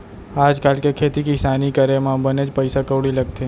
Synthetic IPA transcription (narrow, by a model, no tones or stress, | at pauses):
aːd͡ʒkaːlkekʰet̪ikisaːnikəɾemãbəned͡ʒpəjsakəʋɽiləɡ̚t̪ʰe